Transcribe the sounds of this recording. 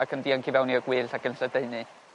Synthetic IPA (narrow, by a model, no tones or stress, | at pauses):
akʰəndiːankʰivɛwniəɡwɪːɬakənsədeɨnɨ